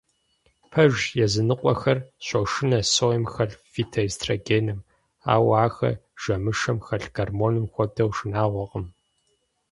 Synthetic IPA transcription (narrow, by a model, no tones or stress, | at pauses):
pʰɐʒjɛzɨnɨqʷʼɔxɐrɕʷʼɐwʃɪnɐsoːjɛmxɐɬviːtʰɐstʰraɡeːnɨm | a̰ːwaːxɐ̰ʒ̥ɐmɨʂɐmxɐɬɡɐrmoːnɨmxʷɔb̚dɐwʂɨnaːʁʷɔqʼəm